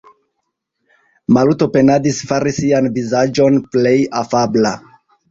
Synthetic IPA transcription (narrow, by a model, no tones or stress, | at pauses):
malutope̞nadisfaɾisianvizad͡ʒo̞nple̞jafabla